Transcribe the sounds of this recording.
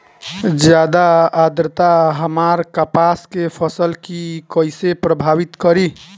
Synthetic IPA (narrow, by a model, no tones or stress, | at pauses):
d͡ʒjad̪aad̪ɾət̪aɦəmaɾkapaskepʰəsəlkikəjsepɾəbʱabit̪kəɾi